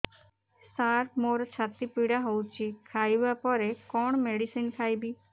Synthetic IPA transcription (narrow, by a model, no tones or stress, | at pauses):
saɾpmoɾt͡ʃʰat̪ipiɽaɦowt͡ʃʰikʰajbapɔɾekɔɳ̃meɽisinkʰajbi